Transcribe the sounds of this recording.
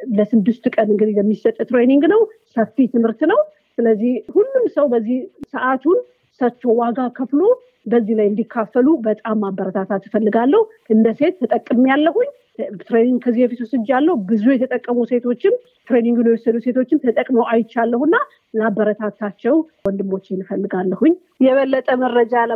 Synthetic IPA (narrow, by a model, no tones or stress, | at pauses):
ləsɨd̪ːɨst̪kʼənɨŋɡɨd̪ihləmːisət̪ʼːt̪ɾe̞niŋɡnəwsəffit̪ʰɨmhɨɾt̪nəw | sɨləzːihhulːumsəwbəzːihsəʔat̪ʰun | sət͡ʃːo̞waɡakʰəflo̞ | bəzːihlajɨnd̪ikʰːafːəlubət̪ʼamːabːəɾət̪ʰat̪ʰat̪ːɨfəlːɨɡalːəhu | ʔɨnd̪əse̞t̪ːət̪ʼəkʼːɨmjalːəhuɲː | t̪ɾeniŋɡkʰəzːihefit̪wusɨd͡ʒjalːəhubɨzujɛt̪ʰət̪ʼəkʼːəmuse̞t̪ʰo̞t͡ʃːɪm | t̪ɾe̞niŋɡɨnɛwɔsːəd̪use̞t̪ʰo̞t͡ʃːɪnt̪ʰət̪ʼəkʼmo̞ʔajɪt͡ʃːalːəhɨnːa | mabːəɾət̪ʰat̪ʰat͡ʃːɛwwɔnd̪ɨmːo̞t͡ʃːɪnfəlːɨɡalːəhuɲː | jɛβəlːət̪ʼəmərːəd͡ʒa